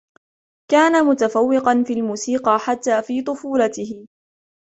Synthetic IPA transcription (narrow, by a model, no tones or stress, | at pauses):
kaːnamʊt̪afawːɪqɑnfiːlmuːsiːqɑħat̪ːaːfiːt̪ˤʊfuːlat̪ɪhɪ